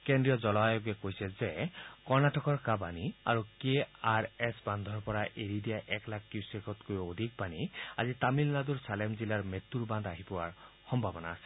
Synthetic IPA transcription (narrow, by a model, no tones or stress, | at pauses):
kendɹijɔzɔlɔajɔɡekojsɛzekɔɹnaʈɔkɔɹkabania̰ɹukeaɹɛsband̪ʱɔɹpɔɹaʔeɾid̪ijaʔɛklak̚kjusekɔt̪kojod̪ʱik̚pania̰zit̪amilnad̪uɹsalemzilaɹmet̪ːuɹbãnd̪aɦipɔwa̰ɹ | xɔmbʱabɔnaːsɛ̥